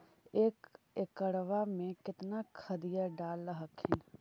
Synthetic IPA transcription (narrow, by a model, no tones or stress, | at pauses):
ek | ɪkəɽʋaːmẽkɪt̪nakʰəd̪ɪjaɖaːlːaɦəkʰɪn